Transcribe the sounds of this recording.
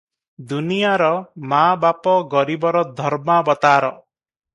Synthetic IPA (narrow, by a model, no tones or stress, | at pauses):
d̪unijaɾɔmabapɔɡɔɾibɔɾɔd̪ʱɔɾmabɔt̪aːɾɔ